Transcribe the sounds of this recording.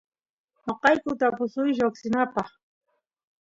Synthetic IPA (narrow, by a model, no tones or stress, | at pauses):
noqɑjkʊt̪apʊsʊjʒaksɪnapɑχ